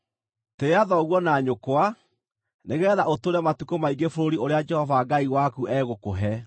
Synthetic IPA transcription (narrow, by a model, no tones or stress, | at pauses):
teaðɔɣwɔnaɲokwa | neɣɛːðaʔotoɾɛmatukomaiŋɡefoɾoɾioɾead͡ʒɛhɔvaɡaiwakuʔɛɣokoɦɛ